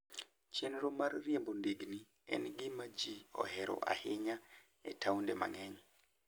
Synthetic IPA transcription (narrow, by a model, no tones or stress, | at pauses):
t͡ʃenɾomarːjembondeɡni | ɛ̰nɡɪmad͡ʒiɔ̰hɛɾɔ̰ʔa̰hɪɲa | ɛtʰawndema̰ŋɛɲ